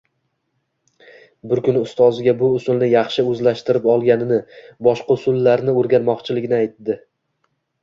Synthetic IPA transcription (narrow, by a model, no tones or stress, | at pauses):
bɪɾkʰʲʊnɪʊst̪ʰɒzɪɡʲabʊʊsʊlnɪjɑχʃɪɵzlaʃt̪ɪɾɪpɒlˠɡʲanɪnɪbɒʃqɑʊsʊlːaɾnɪoɾɡʲanmɒqt͡ʃʰɪlɪɡʲɪnɪajt̪d̪ɪ